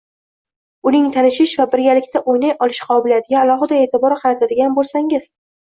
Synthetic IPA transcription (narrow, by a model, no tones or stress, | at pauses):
ʊnɪŋt̪ʰanɪʃɪʃvabɪɾɡʲalɪkʲt̪ʰaʔojnajʔɒlˠɪʃqʰɒbɪlad̪ɪɡʲaːlˠɒɦɨd̪ae̞ːt̪ʰɪbɒɾqɑɾat̪ʰad̪ɪɡʲanbolˠsaŋɪz̥